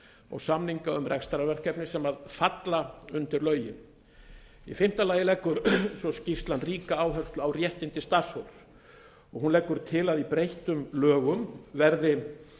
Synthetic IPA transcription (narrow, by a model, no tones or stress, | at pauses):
ɔ̰ɣsamniŋkaʏmrʔɛkst̪aɾavɛr̥kɛpnɪsɛmaðfat̪laʏnt̪ɪɾlœːɥjɪn | ifɪm̥t̪alaːjɪlɛkːʏɾsɔscist̪lanriːkaaːwɦœɾ̥st̪lʏawrjɛht̪ɪnt̪ɪst̪ḁshowls | ɔɣɦunlɛkːʏɾ̥t̪ʰɪlaðipɾejht̪ʏmlœːɣʏmvɛɾðɪ